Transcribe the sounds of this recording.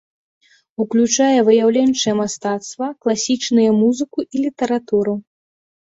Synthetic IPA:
uklʲut͡ʂajɛvɨjawlʲɛnʲt͡ʂɨjɛmast̪at̪st̪vɐklˠasʲit͡ʂnɨjɐmuzɨkuʔilʲit̪ɐɾat̪uɾɨ

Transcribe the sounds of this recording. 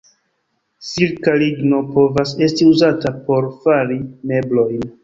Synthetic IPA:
siɾkaliɡno̞po̞vase̞stiuzatapo̞ɾfaɾime̞blo̞jn

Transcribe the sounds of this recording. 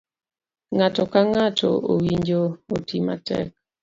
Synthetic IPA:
ŋatɔkaŋatʰɔ̰ʔowiɲd͡ʒootima̰tɛ̰k̚

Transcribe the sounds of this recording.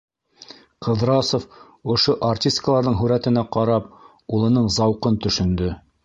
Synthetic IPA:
qɤ̆ðɾɑsof | ŏʃoʔartʲist̪kəlˠɑɾðɤɴɦʉɾæt̪ɘ̆næqɑɾɑp̚ | ulˠɤ̆nɤɴzɑwqɤnt̪ɵ̆ʃɵ̆nd̪ɵ

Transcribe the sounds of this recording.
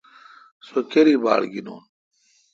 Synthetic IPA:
sokeɾiːba̰ːɽɡino̰ːn

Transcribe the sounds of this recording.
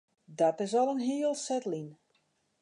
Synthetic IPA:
dɔtɪsɔlˠənɦiəlˠsɛtlin

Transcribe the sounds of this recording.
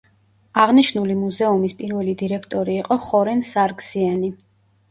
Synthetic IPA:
aʁniʃnulimuzɛumispʼiɾvɛlid̪iɾɛkʰt̪ʼɔɾiːqʼɔχɔɾɛnsaɾɡz̥iani

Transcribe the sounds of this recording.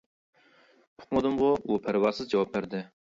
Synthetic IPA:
pʰʊ̥qmɨd̪ɨmʁʊupʰæɾwɑɾsɨzd͡ʒɑwɑp̚bæɾd̪ɪ

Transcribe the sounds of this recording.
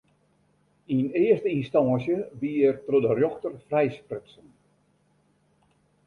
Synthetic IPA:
inɪərstəinstɔːsjəʋiːərtrodərjɔxtərfrɛjsprɪtsən

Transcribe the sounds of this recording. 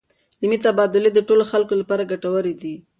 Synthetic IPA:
limit̪abɑd̪ʊled̪əʈoloxalkolapɑɾaɡaʈawəɾed̪i

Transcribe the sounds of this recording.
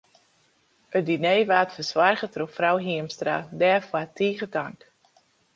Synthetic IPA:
ət̚dineːʋaːtfəswarɣətrofrawɦiəmstra̰dɛːfwatʰiːɣətaŋk

